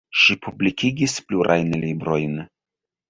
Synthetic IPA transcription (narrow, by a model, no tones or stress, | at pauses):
ʃipublʲikʲiɡʲisplʲuɾʔa̰jnɛlʲijbɾojnɨ